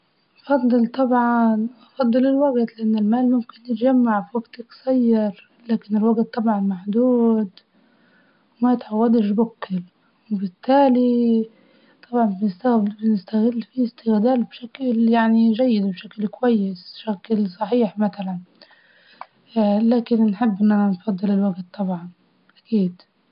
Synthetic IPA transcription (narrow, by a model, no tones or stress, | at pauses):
ʔɑfɑd̪ˤːɨlt̪ˤɑbʕɑnʔɑfɑd̪ˤːɨlɪlwaɡt̪lɪʔanːɪlmaːlmʊmkɪnjɪt̪d͡ʒamːaʕfiwaɡt̪ɪksˤɑjːɑɾ | laːkɪnɪlwaɡt̪̚ːˤɑbʕɑnmaħd̪uːd̪ | wmajɪt̪ʕawːad̪ɪʃ̬bʊkːɪl | wɪbɪt̪ːaːli | t̪ˤɑbʕɑnbɪnɪst̪bɪnɪst̪aɣɪlːfiɪst̪ɪɣd̪aːlbʃakljaʕniʒajːɪd̪bʃaklkwajːɪsʃaklsˤɑħiːħmat̪alan | laːkɪnnħɪbːʔɪnːʔananfɑd̪ˤːɨlɪlwaɡt̪̚ˤːɑbʕɑn | ʔakiːd̪